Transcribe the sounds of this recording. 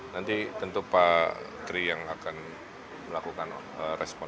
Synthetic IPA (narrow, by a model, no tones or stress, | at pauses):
nant̪it̪ənt̪upat̪ɾijaŋakan | məlakukan | ərɛspɔ